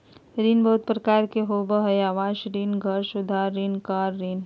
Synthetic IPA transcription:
ɾiːnbəʊt̪̚pɾəkaːɾkeɦoːbəɦəjaːʋaːʃɾinɡʱəɾsʊd̪ʱaːɾːinkaːɾːiːn

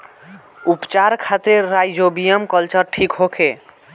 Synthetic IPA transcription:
upt͡ʃaɾkʰat̪ɾeɾajd͡ʒobijəmkəlt͡ʃəɾʈʰikɦokʰe

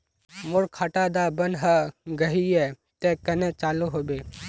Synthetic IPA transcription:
mʊɽkʰaːʈad̪abənɦəɡɐɦiɛ | t̪ekɐnẽt͡ʃaːluɦoːbeː

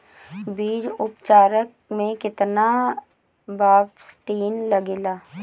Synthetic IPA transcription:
biːd͡ʒʊpt͡ʃaːɾək̚ | mẽkɪt̪na | baːbsʈiːnlɐɡeːlaː

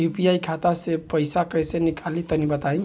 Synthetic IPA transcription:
jupijajkʰat̪asepəjsakəjsenikʰalit̪ənibət̪aĩ

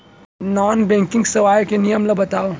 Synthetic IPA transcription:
nɔːnbɛ̃ːŋkɪ̃ŋɡsɐʋaːjkenijəmlɐbɐt̪aːo

